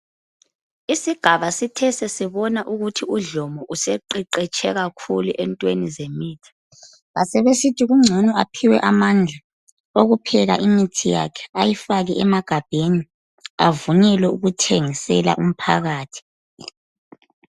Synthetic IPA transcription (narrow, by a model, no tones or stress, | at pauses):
isiɡ̥ʱaβasitʰɛsɛsiβɔnaʔuɣutʰiuɮɔmɔʔusɛǃiǃɛt͡ʃʼʰɛɣakʰuluʔɛntʼwenizemiːtʰi̥ | ɣasɛβesitʰiɣuŋ͡ǀʱɔnɔapʰiwɛʔamand͡ɮʱa | oɣupʰɛɣa̰ʔimitʰija̰kʰɛ̥ajifaɣɛʔɛmaɡ̥ʱab̥ʱeni | avunɛlwɛuɣutʰeŋisɛ̰la̰ʔum̩pʰa̰ɣaːtʰi̥